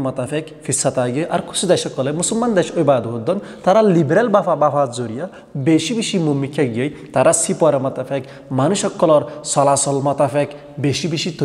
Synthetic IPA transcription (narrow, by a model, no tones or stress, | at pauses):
mʌt̪apʰekfʰisːat̪aɡɯʔaɾkʰu̥sʰud̪eʃɔkːɔlejmusulmand̪eʃojbad̪ɦod̪ɔn | t̪aɾalibɾalbafʰabapʰad͡zoɾija | beʃibiʃimumːikʰjaɡejt̪aɾasipɔɾemʌt̪apʰek | manuʃɔkːɔlɔɾsɔlasɔlmʌt̪afʰek | beʃibiʃit̪